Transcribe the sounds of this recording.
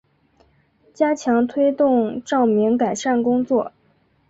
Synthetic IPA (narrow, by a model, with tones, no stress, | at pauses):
t͡ɕja˥t͡ɕʰjɑ˧˥ŋt̪ʰwe˥ɪt̪ʊ˥˧ŋʈ͡ʂɑ˥˩ʊmi˧˥ŋka˨˩ɪʂa˥˩nkʊ˥ŋt͡swɔ˥˩